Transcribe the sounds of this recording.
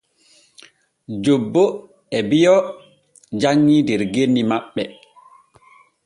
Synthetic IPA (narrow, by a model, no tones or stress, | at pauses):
d͡ʒobːo | ɛbijɔ | d͡ʒaŋːidɛɾɡenːimaɓːɛ